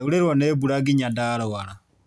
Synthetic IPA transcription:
uɾeɾwanebuɾaɡiɲadaɾawaɾa

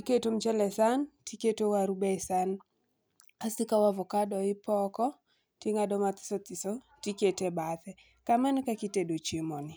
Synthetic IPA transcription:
tiketom̩t͡ʃɛlɛsantʰiketowaɾubɛisan | asɪkawavɔkadɔɪpɔkɔ | tiŋadɔmat̪ɪ̥sɔt̪ɪsɔ | tiketebatɛ | kamankakitedot͡ʃimɔnɪ

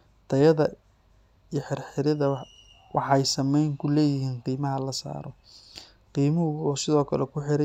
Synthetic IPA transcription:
t̪ʰɐjɐðɐ | ijħɪrħɪɾɐðɐ | wʔɑ̰ħɑjsɐmɛjŋkʰʊlɛːjɪɦiːnqiːmɐɦɐlɐsa̰ːɾɔ | qiːmɐɦʊɔsɪðɔːkʰɐlɛkʰʊħɪɾɐ

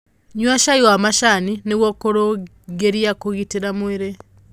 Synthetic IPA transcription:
ɲwaʃaiwamaʃanineɣwɔkoɾo | ɡeɾiakoɣiteɾamweɾe

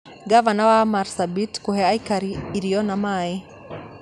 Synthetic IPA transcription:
ɡavanawamaɾsabitkuhɛaikaɾiːɾijɔnamai

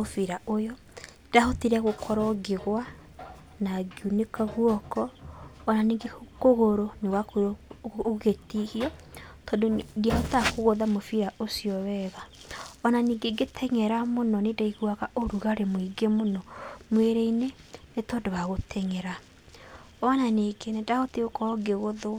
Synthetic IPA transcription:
ofiɾaʔojɔ | d̥ahotiɾɛɣokʰɔɾɔɡeɣwa | naɡiunekaɣwɔkɔːnaniːɡekoɣoɾoneɣwako | ɣetihiɔ | tɔːndodiahotakoɣoðamofiɾaʔosiɔwɛɣa | ɔnaniːɡeɡetʰɛɲɛɾamonɔnedaiɣwaɣaʔoɾuɣaɾemoiɡemonɔmweɾeinenetɔːndowaɣotʰɛɲɛɾa | ɔnaneɡenedaɣoteokɔɡeɣoðo

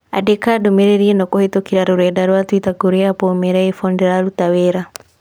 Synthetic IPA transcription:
a̰dekadomeɾeɾienɔkɔhetokiɾaɾoɾɛdaɾwatwitaɡoɾeapomɛɾaifɔndɛɾaɾutawɛɾa

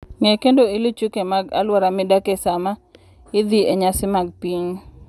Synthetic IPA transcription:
ŋɛkendoilit͡ʃukemaɡa̰lwaɾamɪdakesama | ɪd̪ieɲasɪmaɡ̚piɲ

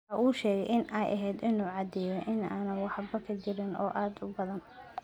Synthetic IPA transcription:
ɐʔuːʃɛːɣɛjʔɪnʔɛjʔɐɦɛːd̪ɪnuːʕɑd̪ɛjɔʔɪnaːnɐnwɑħbɐkʰɐdɪɾɪnʔɔ̰ːʔaːd̪ʊbɐðɐn

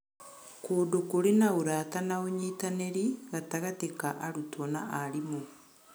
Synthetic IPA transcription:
koːdokoɾinaoɾatanaoɲiːtaneɾiɣataɣatekaʔaɾutʰona̰ʔaɾimu

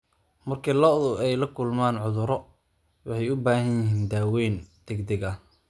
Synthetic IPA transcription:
mɐrkʰɪlɔðʊɛjlɐkʰʊlmaːnʕʊðʊɾɔ | wɑħɑjʊbaːɦɐnjɪɦiːnd̪aːwɛːnd̪̥ɛɡd̪ɛɣɐ

